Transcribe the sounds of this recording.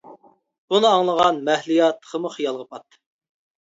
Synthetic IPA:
bunɨɑŋlˠəʁɑnmæhlijɑt̪ːə̥qʰəmʊχijɑlˠʁəpʰɑt̪ːɨ̥

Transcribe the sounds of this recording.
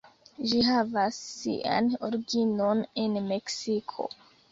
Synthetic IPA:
d͡ʒiɦavasːḭʔa̰noɾɡino̞nenme̞ksikʰo̞̰

